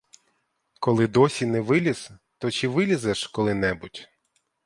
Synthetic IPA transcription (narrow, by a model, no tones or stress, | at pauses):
kɔlˠɪd̪ɔsʲinɛʋɪlʲiz̥t̪ɔt͡ʃiʋɪlʲizɛʃkɔlˠɪnɛbʊtʲ